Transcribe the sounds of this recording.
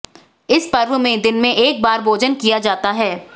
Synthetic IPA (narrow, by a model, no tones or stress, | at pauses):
ɪspɐɾʋəmẽd̪ɪnmẽʔeːk̚baːɾbʱoːd͡ʒənkijad͡ʒaːt̪aɦɛː